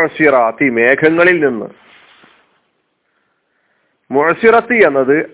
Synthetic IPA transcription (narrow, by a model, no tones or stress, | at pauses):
siɾɑːt̪ime̞ːkʰɐŋːɐɭilninːɨ̰ | muʕsiɾɐt̪ːienːɐðɨ